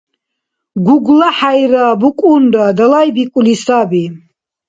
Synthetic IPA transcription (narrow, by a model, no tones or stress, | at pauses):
ɡuɡlaħajɾaːbukʼund̪ad̪alajbikʼulisabi